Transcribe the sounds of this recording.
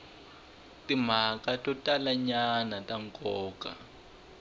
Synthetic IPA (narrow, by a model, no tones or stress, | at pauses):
tim̤akatʼɔtʼalaɲanatʼaŋkʼɔːka̰